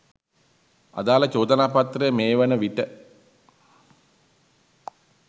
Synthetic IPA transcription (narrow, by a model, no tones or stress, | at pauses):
a̰d̪aːlət͡ʃoːd̪ənaːpat̪rəjəmeːʋənəʋiʈə